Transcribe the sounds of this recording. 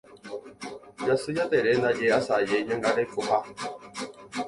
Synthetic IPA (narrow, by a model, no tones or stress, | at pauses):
jasɨjateɾenaɡeasajeɲɛŋɡaɾekupa